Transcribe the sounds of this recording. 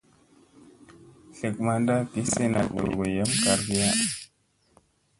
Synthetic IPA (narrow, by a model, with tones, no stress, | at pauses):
ɬə˨k̚ma˨nda˦pi˨˦se˦na̰˨k̚wo̰˨ɡo˨jə˦mka˨ɾɡi˦ja˦